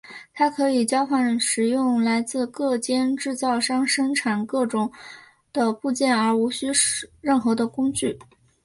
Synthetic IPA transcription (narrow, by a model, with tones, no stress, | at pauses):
t̪ʰa˥kʰɤ˧˥i˨˩t͡ɕjɑ˥ʊfa˥˩nʂɻ̩˨˩jʊ˥˧ŋla˧˥ɪt͡sɹ̩˥˧kɤ˥˩t͡ɕjɛ˥nʈ͡ʂɻ̩˥˧t͡sɑ˥˩ʊʂɑ˥ŋʂɤ˥ŋʈ͡ʂʰa˨˩nkɤ˥˩ʈ͡ʂʊ˨˩˦ŋ | d̪̥ə˧pu˥˧t͡ɕjɛ˥˩nə˞˧˥u˧˥ɕy˥ʂɻə˥˩nxɤ˧˥d̪ə˧kʊ˥ŋt͡ɕy˥˩